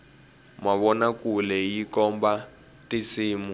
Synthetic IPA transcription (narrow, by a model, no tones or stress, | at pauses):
maβɔnakulɛjikɔmba | tisiːmu